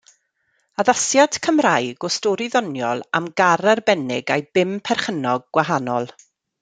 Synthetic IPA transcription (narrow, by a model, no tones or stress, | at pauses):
aðasjad̥kʰəmrajɡɔstɔɾɪðɔnjɔ̰lˠamɡaɾarbɛnɪɡajb̥ɪmpʰɛrχənɔɡ̚ɡwaɦanɔlˠ